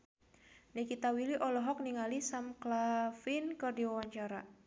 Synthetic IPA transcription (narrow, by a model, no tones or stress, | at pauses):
nikit̪awiliʔɔlɔɦɔk̚niŋalisamklafinkɨrdiwawaɲt͡ʃaɾa